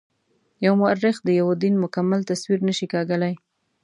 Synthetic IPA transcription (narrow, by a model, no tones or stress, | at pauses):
jawmʊaɾːɪxd̪əjawd̪inmʊkamːalt̪aswiɾnəʃikɑɡəlaj